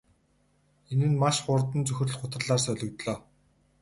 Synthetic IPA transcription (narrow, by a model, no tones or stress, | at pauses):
enɘ̆nmaʃχʊrt̪ə̆nt͡sɵxʲɘ̆r̆ɮχʊt̪ə̆rɮaːrsœɮʲɞ̆kt̪ɮɔː